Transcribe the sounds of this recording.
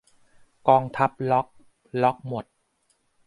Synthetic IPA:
kɔː˧ŋt̪ʰa˦˥p̚lɔ˦˥k̚ | lɔ˦˥k̚mo˨˩t̪̚

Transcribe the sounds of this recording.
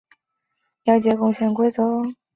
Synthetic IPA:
ljɑ˧˥ʊt͡ɕjɛ˧˥kʊ˥˧ŋɕjɛ˧˥˩nkwe˥ɪt͡sɤ˧˥

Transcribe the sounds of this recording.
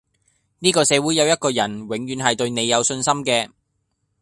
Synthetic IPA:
niː˥kɔː˧sɛː˨˧wuː˨˥jɐ˨˧wjɐ˥t̚kɔː˧jɐ˨˩nwɪ˨˥ŋjyː˨˧nɦɐ˨jt̪ɵ˧ɥne˨˧jjɐ˨˧wsɵ˧nsɐ˥mkɛː˧

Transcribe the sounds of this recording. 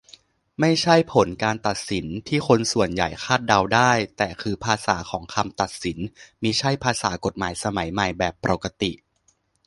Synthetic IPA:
ma˥˩jt͡ɕʰa˥˩jpʰo˩˦nkaː˧nt̪a˨˩t̪̚si˩˦nt̪ʰiː˥˩xʰo˧nsu˨˩ənja˨˩jxʰaː˥˩t̪̚da˧wdaː˥˩jt̪ɛː˨˩kʰɯː˧pʰaː˧saː˩˦kʰɔː˩˦ŋkʰa˧mt̪a˨˩t̪̚si˩˦nmiː˧t͡ɕʰa˥˩jpʰaː˧sa̰ː˩˦ko˨˩t̪̚maː˩˦jsa˧ma˩˦jma˨˩jbɛː˨˩pːɾaː˨˩ka˧t̪i˨˩ʔ

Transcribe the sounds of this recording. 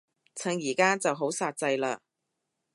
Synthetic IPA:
t͡sʰɐ˨˥ŋjiː˨˩kaː˥t͡sɐ˨wɦo˨˥wsaː˧t̚t͡sɐ˧jlaː˧

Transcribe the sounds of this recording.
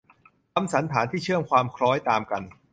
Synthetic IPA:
ka˧msa˩˦nt̪ʰaː˩˦nt̪ʰiː˥˩t͡ɕʰɯ˥˩əmkʰwaː˧mkʰɾɔː˦˥jt̪aː˧mka˧n

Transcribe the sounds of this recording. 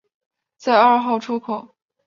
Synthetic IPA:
t͡sa˥˧ɪɐ˞˥˧xo˥˩ʊʈ͡ʂʰu˥kʰo˨˩˦

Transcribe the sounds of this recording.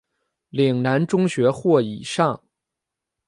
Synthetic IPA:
li˨˩ŋna˧˥nʈ͡ʂʊ˥ŋɕɥɛ˧˥xwɔ˥˩i˨˩ʂɑ˥˩ŋ

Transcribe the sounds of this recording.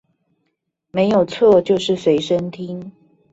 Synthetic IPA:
me˧˦ɪjo˨˩ʊt͡sʰɔ˥˨t͡ɕjo˥˧ʊʂɻ̩˥˨swe˧˥ɪʂə˦ŋt̪ʰi˦ŋ

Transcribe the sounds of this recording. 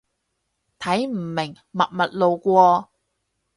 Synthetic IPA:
t̪ʰɐ˨˥jm̩˨˩mɪ˨˩ŋ | mɐ˨t̚mɐ˨t̚lo˨wkʷɔː˧

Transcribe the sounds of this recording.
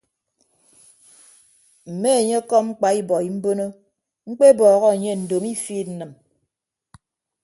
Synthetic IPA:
m̩˨me˦e˨ɲe˦kɔ˦ŋ͡m̩˦k͡pa˨i˦bɔ˨i˨m̩˦bo˦no˦ | ŋ͡m̩˦k͡pe˦bɔː˨ɣɔ˦e˨ɲe˦n̩˨do˨mi˦fiː˦˨tn̩˨nɨ˨m

